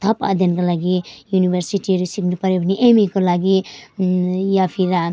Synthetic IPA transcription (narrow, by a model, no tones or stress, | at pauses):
t̪ʰʌpa̰d̪ʱjʌnkolaɡijunibʱeɾsiʈiʌɾusiknupʌɾebʱniʔemikolaɡi | japʰiɾa